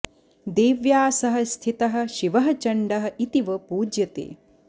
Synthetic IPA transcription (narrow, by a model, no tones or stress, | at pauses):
d̪eːʋjaːsɐɦɐ̆st̪ʰit̪ɐɦɐ̆ʃiʋɐɦɐt͡ʃɐɳɖɐɦɐ̆it̪iʋɐpuːd͡ʒjɐt̪ḛː